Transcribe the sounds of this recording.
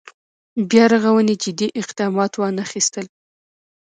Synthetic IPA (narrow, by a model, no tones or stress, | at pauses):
bjɑɾaɣawəned͡ʒɪd̪iʔɪqd̪ɑmɑt̪wɑnaxist̪əl